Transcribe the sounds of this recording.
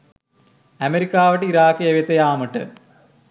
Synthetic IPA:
ɐmeɾikːaːʋɐʈ̬ːɨiɾaːkːɨjeʋjet̪ːɐjaːmɨʈːɨ̰

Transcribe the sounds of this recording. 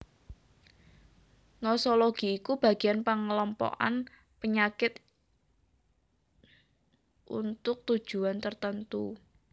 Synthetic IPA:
nɔsɔloɡ̥i̤ːkub̥a̤ɡ̥ianpəŋəlɔmpɔ̰ʔa̰n | pəɲakɪt̪ | ʔṵnt̪ʊk̚t̪u̥ʒ̥ṳant̪ərt̪ənt̪u

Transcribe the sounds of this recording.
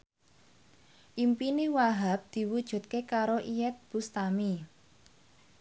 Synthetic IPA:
ʔimpiniwaɦap̚d̪̥i̤wud̥ʒ̥ṳt̪̚kekaɾoʔijɛt̪̚b̥ust̪ami

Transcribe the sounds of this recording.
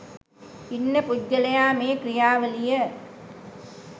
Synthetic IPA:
inːəpudːɐlejaːmeːkɾijaːʋəlijə

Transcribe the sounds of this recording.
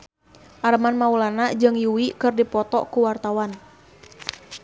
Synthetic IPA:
ʔaɾəmanmaulanad͡ʒɨŋjuwikɨrdipɔt̪ɔ̰ʔkuwart̪awan

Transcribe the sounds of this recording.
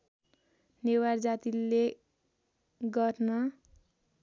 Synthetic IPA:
neward͡zat̪ilːe | ɡʌrnʌ

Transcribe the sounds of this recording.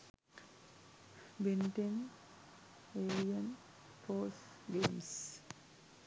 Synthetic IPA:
benʈen | eːɾijɐn | foːs | ɡeːms

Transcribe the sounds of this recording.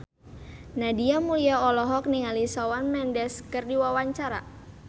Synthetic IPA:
nadiamuliaɔlɔɦɔk̚niŋalisawanmɛndɛskərdiwawaɲt͡ʃaɾa

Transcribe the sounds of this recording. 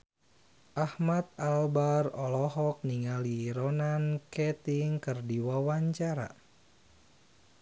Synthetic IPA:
ʔahmat̪̚albarɔlɔɦɔk̚niŋaliɾɔnankɛt̪iŋkɨrdiwawaɲt͡ʃaɾa̰

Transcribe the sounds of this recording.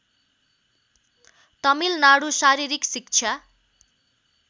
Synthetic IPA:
t̪ʌmilnaɽusaɾiɾiksik̚t͡sʰa

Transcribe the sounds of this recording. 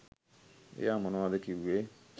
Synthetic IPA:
ḛjamɔ̃nɔadekiwe

